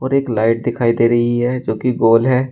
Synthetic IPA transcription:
ɔːɾeːklaːɪʈ̚d̪ɪkʰaːid̪eːɾɐɦiɦɛd͡ʒoːkiɡoːlɦɛː

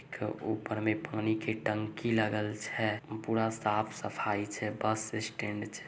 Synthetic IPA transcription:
keuːpəɾmepaːnikeʈəŋkiləɡəlt͡ʃʰɛpuːɾasaːpʰsəpʰait͡ʃʰɛbəsɪsʈẽɳɖt͡ʃʰɛ̥

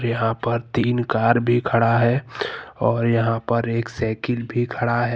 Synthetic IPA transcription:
ɾjɐɦãpɐɾt̪iːnkaːɾbʱikʰɐɽaɦɛːɔːɾjɐɦãpɐɾeːksɛːkɪlbʱikʰɐɽaɦɛ

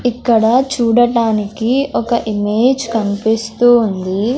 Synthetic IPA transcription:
ikːɐɽɐt͡ʃuːɽɐʈaːnikiɔkɐʔimeːd͡ʒkɐnipist̪uːnd̪i

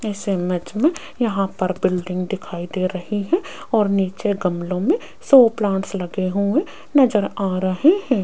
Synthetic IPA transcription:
ɪsemɛd͡ʒmẽ | jɐɦãpɐɾbɪlɖɪ̃ŋɡd̪ɪkʰaːid̪eːɾɐɦiɦɛ̃ | ɔːɾniːt͡ʃeɡɐmlõmẽ | sɔːplãːʈslɐɡeɦuẽ | nɐd͡ʒəɾaːɾɐɦeɦɛ̃ː

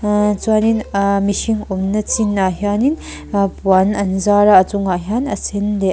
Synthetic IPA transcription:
t͡suaninmiʃiŋomnɐt͡sinaɦjanin | puanɐnzaɾaɐt͡suŋaɦjanɐsende

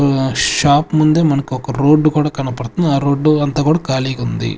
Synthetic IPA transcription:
ʃaːpmund̪emɐnɐkːiɔkɐɾoːɖːukuːɽɐkɐɳɐpɐɽt̪und̪aːɾoːɖːuɐnt̪ɐkuːɽɐkaːliɡund̪ḭ

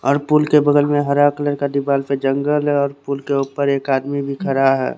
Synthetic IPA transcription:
ɔːɾpuːlkebəɡ̪əlmẽɦəɾakləɾkad̪ɪbaːlped͡ʒə̃ŋɡəlɦɔːɾpuːlkeuːpəɾeːkaːd̪mibʱikʰəɾaɦɛ̰ː

